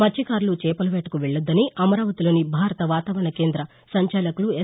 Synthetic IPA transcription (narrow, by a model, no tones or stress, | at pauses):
mɐt͡ʃːikaːɾlut͡ʃɛːpɐlɐʋeːʈɐkuʋeɭːud̪ːɐniʔɐmɐɾaːʋɐt̪ilo̞ːnibʱaːɾɐt̪ɐʋaːt̪ɐːʋɐɾɳɐke̞ːnd̪ɾɐ | sɐɲt͡ʃɛːlɐkulue